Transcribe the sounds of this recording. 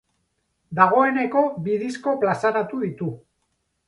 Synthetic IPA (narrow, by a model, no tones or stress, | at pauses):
d̪aɣ̞o̞e̞ne̞ko̞βiðisko̞plasaɾat̪uðit̪u